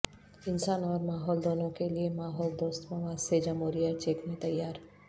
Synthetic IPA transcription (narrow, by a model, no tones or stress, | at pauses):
ɪnsaːnɔːɾmaːɦɔːld̪oːnõkeliemaːɦɔːld̪oːst̪mɐ̃ʋaːsed͡ʒamoːɾijat͡ʃeːkmẽt̪ɐjːaːɾ